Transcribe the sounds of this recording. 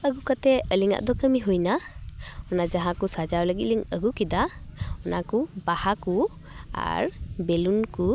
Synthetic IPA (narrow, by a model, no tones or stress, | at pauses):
əɡukat̪ɛəliŋa̰ʔd̪ɔkəmiɦujna | ɔnazaɦãkusad͡ʒawləɡit̪̚liŋəɡukid̪aɔnakubahaku | a̰ɹbɛlunku